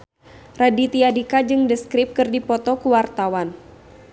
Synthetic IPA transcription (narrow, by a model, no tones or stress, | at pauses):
radit̪iadikad͡ʒɨŋdəskɾɪp̚kɨrdipɔt̪ɔkuwart̪awan